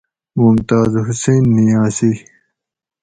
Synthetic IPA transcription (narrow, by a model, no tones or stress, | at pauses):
mumt̪aːzhuseːnːijãːsi